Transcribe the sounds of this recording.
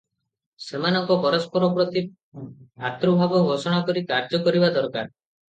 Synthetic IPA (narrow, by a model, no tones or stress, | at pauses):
semanɔŋkɔpɔɾɔspɔɾɔpɾɔt̪i | at̪ɾubʱabɔɡʱosɔɽ̃akɔɾikaɾd͡ʒɔkɔɾibad̪ɔɾka̰ɾ